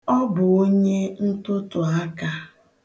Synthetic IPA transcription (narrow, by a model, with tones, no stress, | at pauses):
ɔ˦bʊ˨o˦ɲe˦n̩˦tʊ˦tʊ˨a˦ka˦